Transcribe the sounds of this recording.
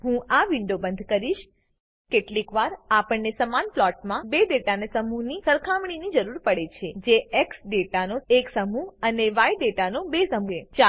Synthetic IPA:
ɦũaʋiɳɖobənd̪ʱkəɾiʃ | keʈlikʋaɾapəɳnesəmanplɔʈmãbeɖeʈanesəmuɦnisəɾkʰamɳ̃inid͡ʒəɾuɾpəɽet͡ʃʰed͡ʒeʔeksɖeʈanoeksəmuɦəneʋajɖeʈanobesəmuet͡ʃa

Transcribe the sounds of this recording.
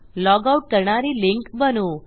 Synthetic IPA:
lɔːɡauʈ̚kəɾɳaɾilɪŋkbənu

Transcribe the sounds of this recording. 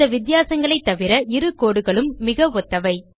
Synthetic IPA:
ɐʋɪt̪ɪjaːsɐŋɡɐɭɐɪt̪ːɐʋɪɾɐʔɪɾɯkːoːɽɯɣɐɭɯmːɪɣɐʋɔt̪ːɐʋɐɪ

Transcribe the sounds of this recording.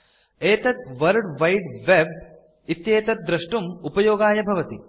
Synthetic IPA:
eːt̪ɐt̪ʋɐɾɖʋɐjɖʋeb̚ | it̪jeːt̪ɐt̪̚d̪ɾɐʂʈumupɐjoːɡaːjɐbʱɐʋɐt̪i

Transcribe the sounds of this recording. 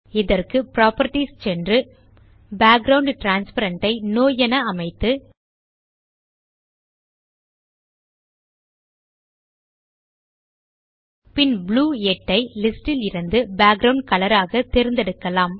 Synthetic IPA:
ɪðɐrkɯpɾaːpɐɾʈist͡ʃɛndrɯ | baːɡɾɐʊɳɖʈɾaːnspɐɾɐɳʈɐɪnoːjɐnɐɐmɐɪt̪ːɯ | pɪnbluːɛʈːɐɪlɪsʈɪlɪɾɯnd̪ɯbaːɡɾɐʊɳɖ̚kɐlɐɾaːɣɐt̪ɛɾɯnd̪ɛɽɯkːɐlaːm

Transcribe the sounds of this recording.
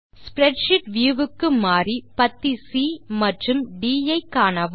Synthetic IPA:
spɾɛɖʃɪʈʋjuːʋɯkːɯmaːɾipɐt̪ːisiːmɐʈrɯmɖiːɐɪkːaːnɐʋɯ

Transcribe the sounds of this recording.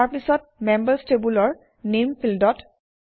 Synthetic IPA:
aɹpisɔt̚mɛmbəɹstebulɔɹ | nempʰildɔt

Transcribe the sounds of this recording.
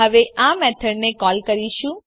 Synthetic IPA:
əʋeʔãmɛʈʰəɽnekɔlkəɾiʃũ

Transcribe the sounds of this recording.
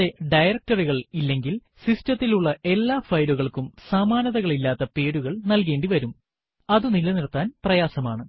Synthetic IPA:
e̞ɖɐjrɐk̚tɐriɣɐɭilːe̞ŋɡil | sistɐt̪ːiluɭːɐʔe̞lːaːfɐjɾuɣɐɭkumsaːmaːnɐðɐɣɐɭilːaːt̪ːɐpe̞ːɽuɣɐɭnɐlk̬e̞ːɳɖiʋɐɾum | ɐðunilɐniɾɐt̪ːaːnprɐjaːsɐmaːɳɨ

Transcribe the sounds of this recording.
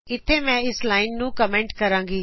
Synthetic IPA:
ɪt̪ʰːemɛ̃ːɪslaːɪnnũːkəmẽːɳʈkɐɾãːŋɡiː

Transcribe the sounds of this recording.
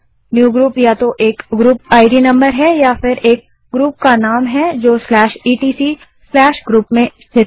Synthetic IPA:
njuːɡɾuːpjat̪oʔeːkɡɾuːpaːɪɖinɐ̃mbəɾɦɛjafɪɾeːk̚ | ɡɾuːp̚kanaːmɦɛd͡ʒoːslɛːʃiːʈiːsi | slɛːʃɡɾuːpmẽst̪ʰɪ

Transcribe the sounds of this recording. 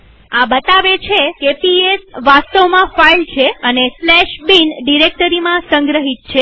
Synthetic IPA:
ãbət̪aʋet͡ʃʰekepiesʋast̪əʋmãfailt͡ʃʰeəneslɛʃbinɖiɾek̚ʈəɾimãsə̃ŋɡɾəɦit̪̚t͡ʃʰe

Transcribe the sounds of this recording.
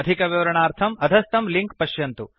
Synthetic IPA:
ɐd̪ʱikɐʋiʋɐɾɐɳaːɾt̪ʰɐmɐd̪ʱɐst̪ɐmliŋkpɐʃjɐnt̪u

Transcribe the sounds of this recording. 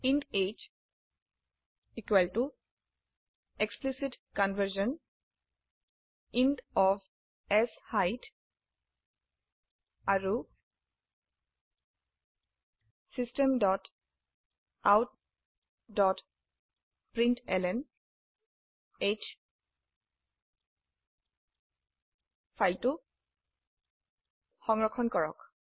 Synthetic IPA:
ĩɳɖet͡ʃ | ikwʋəlʈu | eksplisiʈkɔ̃nʋəɾʃə̃n | ĩɳɖɔʋ | ɛshaɪʈ | aɾu | sistɛmdɔt | awt̚ | dɔt | pɹintɛlɛn | et͡ʃ | pʰajltu | xɔŋɹɔkʰɔnkɔɹɔ̰k

